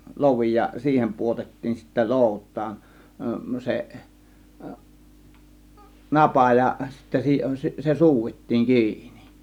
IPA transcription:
loʋi jɑ siːhem puotetːiːn sitːæ loˑutˑɑːn seʔ nɑpɑˑ jɑ sitːæ si se suːʋitːiːŋ kiːni̥

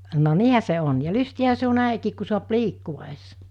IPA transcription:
no niːhæ se on jɑ lystiæhæ se on̆ næˑikiːk ku suɑp liːkːuʋ̆ɑ es

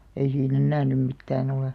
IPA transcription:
ei siːn enːæː nym mitːæːn oleˑ

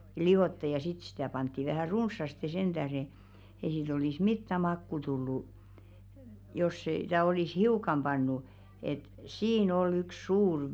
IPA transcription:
liʋ̆otːɑ jɑ sit sitæˑ pɑntːi ʋæhæˑ runsːɑste send̥æhre ei siːt olis mitːæ mɑkːu tulːu jos se̝ tæ olis hiukɑm b̥ɑnːu et siːn ol yks̆ suːr

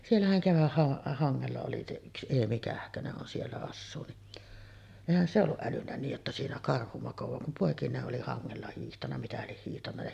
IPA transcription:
sielːæhæn keʋæhːɑ hɑŋːelːɑ oli se yks eːmi kæhkøneʔ ʔon sielːæ ɑsːuː niʔ eˑihæn se olːuʔ ʔælynːæ niːj jotːɑ siːnæ kɑrhu mɑkoʋɑː kum poˑekineːʔ ʔoli hɑŋːelːɑ hiːhtɑnːɑ mitæ lieh hiːhtɑnːɑ jɑ

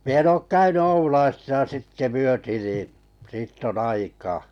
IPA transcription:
mi en oːk kæyny oulɑisisɑ sitːe myøti niː siːtː onː ɑikɑː

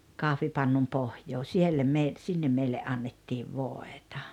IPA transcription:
kɑhʋipɑnːum pohjoː sielːæ me sinːem meilːe ʔɑnːetːiːʋ ʋoˑetɑ̥

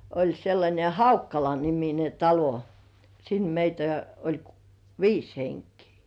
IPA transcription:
olʲ selːɑnʲe hɑukːɑlɑnimine tɑlo sin meitæ olʲ k ʋiːs heŋkiː

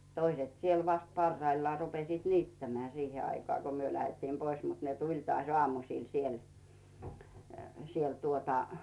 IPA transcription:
toiset siel ʋɑst pɑrːɑilːŏɑˑ rupesiːt niːtːæmĕæˑ siːhe ɑikoɑˑ ko myø læhetːiːm pois mut ne tulʲ tŏɑˑsʲ oɑˑmusiˑl siel siel tuotɑ

